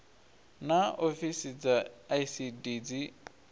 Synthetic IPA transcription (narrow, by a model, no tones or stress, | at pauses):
naofisid͡zajsidid͡zi